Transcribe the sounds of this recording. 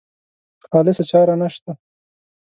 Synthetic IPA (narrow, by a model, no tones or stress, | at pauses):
xɑːlɪsat͡ʃɑːɾanaʃt̪a